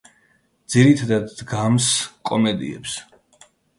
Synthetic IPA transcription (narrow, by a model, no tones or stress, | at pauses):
d̪z̥iɾit̪ʰad̪ad̪ɡamskʼɔmɛd̪ḭɛ̰ps